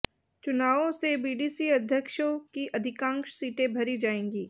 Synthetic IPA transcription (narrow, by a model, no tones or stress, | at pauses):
t͡ʃʊnaːʋõsebiːɖiːsiɐd̪ʱjəkʃõkiʔɐd̪ʱɪkãːŋkʃsiːʈẽbʱɐɾid͡ʒaːẽːŋɡiː